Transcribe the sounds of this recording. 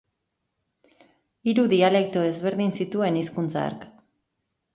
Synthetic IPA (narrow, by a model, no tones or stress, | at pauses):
iɾuðiale̞k̚t̪oe̞zβe̞ɾðinsit̪ue̞niskunt͡sa̰ɾk